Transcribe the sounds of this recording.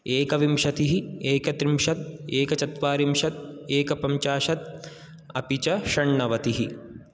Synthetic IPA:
eːkɐʋimʃɐt̪iɦieːkɐt̪ɾimʃɐt̪̚eːkɐt͡ʃɐt̪ʋaːɾimʃɐt̪̚eːkɐpɐɲt͡ʃaːʃɐt̪̚ | ɐ̰pit͡ʃɐʃɐɳːɐʋɐt̪iɦi

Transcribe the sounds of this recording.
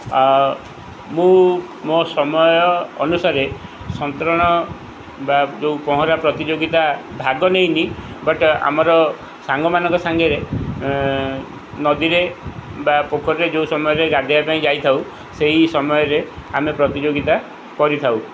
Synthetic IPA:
mũ | mosɔmɔjɔ̰ːnusaɾe | sɔnt̪ɾɔɽ̃ɔ | bad͡ʒeupɔɦɔɾapɾɔt̪id͡ʒoɡit̪abʱaɡɔnejnibɔʈa̰mɔɾɔ | saŋɡɔmanɔ̃ŋkɔsaŋɡeɾe | nɔd̪iɾebapokʰɔɾed͡ʒewsɔmɔjɔɾeɡad̪ʱiapaĩd͡ʒajt̪ʰaw | seɦisɔmɔjɔɾeamepɾɔt̪id͡ʒoɡit̪a | kɔɾit̪ʰaw

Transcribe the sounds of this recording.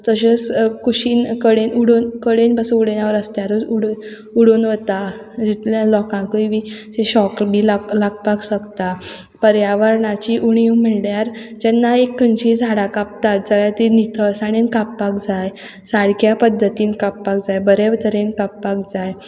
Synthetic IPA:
t̪əɕeskuɕiːnkəɽenuɽunkəɽenbəsəuɽenaʋəɾəst̪jaɾəuɽ | uɽunʋət̪a | d͡ʑit̪ljalɔkãkəiʋid͡ʑeɕɔkbilalaɡpaksəkt̪a | pəɾjaʋəɾɳat͡ɕiʔuɳ̃iũm̤əɭɽjaɾd͡ʑɛnːaekʰːənt͡ɕid͡zʱaɽakap̚t̪at̪̚d͡zəɭjat̪init̪ʰəsaɽ̃inkapːakd͡zaj | saɾkjapəd̪ʱːət̪iːnkapːakd͡zajbəɾeʋt̪ʰəɾenkapːak̚d͡zaj

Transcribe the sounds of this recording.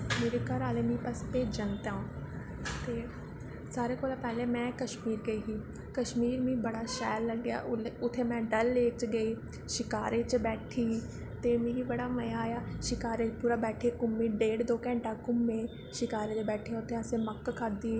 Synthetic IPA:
meːɾeːkəɾaːleːmĩːpəspeːd͡ʒənt̪ãː | t̪eː | saːɾeːkoːlaːpɛːleːmɛ̃ːkəʃmiːɾɡəiːɦiː | kəʃmiːɾmĩːbəɽaːʃɛːlːəɡɪja̰ːʔʊʊt̪ʰːeːmɛ̃ːɖəlːeːkt͡ʃɡəiː | ʃɪkaːɾeːt͡ʃbɛːʈʰiː | t̪eːmeːɾiːbəɽaːməjaːjaːʃɪkaːɾeːpuːɾaːbɛːʈʰeːkʊmːiːɖeːɽd̪oːkɛ̃ːɳʈaːkʊmːẽː | ʃɪkaːɾeːt̪eːbɛːʈʰeːãʊt̪ʰːeəsẽːməkːkʰad̪iː

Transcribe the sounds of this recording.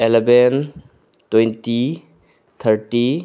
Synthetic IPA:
eleben | twejnti | t̪ʰəɾʈi

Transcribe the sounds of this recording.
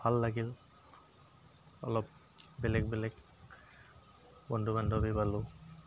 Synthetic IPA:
bʱalːaɡil | ɔ̰lɔp̚ | bɛlɛɡbɛlɛk | bɔndʱumandʱɔbipalʊ

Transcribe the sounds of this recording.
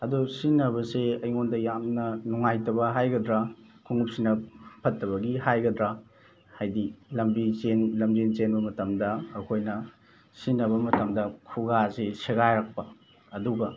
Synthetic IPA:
ɐdusinːɐβɐseɐjŋondɐjamnɐnuŋajtɐbɐɦajɡɐdɾa | kʰuŋup̚sinɐpʰɐtːɐβɐɡihajɡɐdɾa | hajdilɐmbit͡ʃenlɐmzent͡ʃenbɐmɐtɐmdɐːkʰojnɐ | sinːɐβɐmɐtɐmdɐkʰuɡaseseɡajɾak̚pɐ | ɐduɡɐ

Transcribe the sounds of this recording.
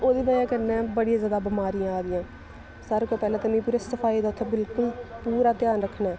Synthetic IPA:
oːd̪iːbəjãːkəɾnẽːbəɽijãːzjaːd̪aːbɪmaːɾijãːaːɾɪjãː | saːɾkeːpɛːlãːt̪əmĩːpuːɾeːsəfʰaːiːd̪aːʊt̪ʰːebɪlkʊlpuːɾaːt̪ɪjaːnɾəkʰnaːɛː

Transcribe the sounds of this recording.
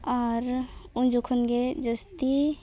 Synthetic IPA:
ɔːɾũnd͡ʒukʰənɡed͡ʒəst̪i

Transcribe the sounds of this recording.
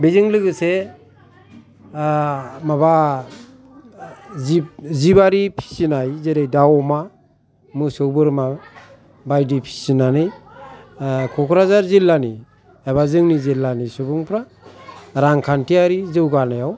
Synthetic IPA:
bizɯŋlɯɡɯse | maba | zizibaɾipʰi̥sinajzeɾajdawɔma | mɯsɯwbɯɾma | bajdipʰi̥sinanɯj | kʰɔkʰɾazaɾzilːani | abazɯŋnizelːanisubɯŋpʰɾa | ɾaŋkʰantʰiaɾizɯwɡanajaw

